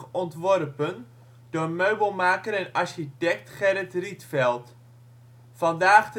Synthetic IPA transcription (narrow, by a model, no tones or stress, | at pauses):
ɔntʋɔrpən | d̥ʊːrmøɥbəlˠmaːkəɾɛnɑrʃitɛk̚tχɛɾətritfɛlˠt | fɑndaːχt